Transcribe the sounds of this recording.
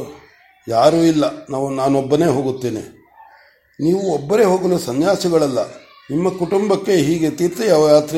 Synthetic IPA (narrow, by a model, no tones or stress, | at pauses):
jaːɾuːilːɐnaːʋunaːnɔbːɐne̞ːɦoːɡut̪ːeːnḭ | niːʋuɔbːɐɾe̞ːɦo̞ːɡɐlusɐnjaːsɐɡɐɭɐlːɐ̰ | nimːɐkuʈumbɐkːe̞ɦiːɡe̞t̪iːɾt̪ɐjaːʋɐjaːt̪ɾɛ